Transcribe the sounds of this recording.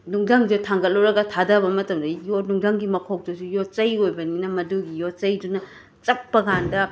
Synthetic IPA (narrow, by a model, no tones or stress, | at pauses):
nuŋdaŋd͡ʒutʰaŋɡɐlːoɾɐɡɐtʰadɐbɐmɐtɐmdɐjonuŋdaŋɡimɐkʰok̚dɐsujot͡ʃɐjojbɐninɐmɐduɡijot͡ʃɐjdunɐ | t͡ʃɐpːɐɡandɐ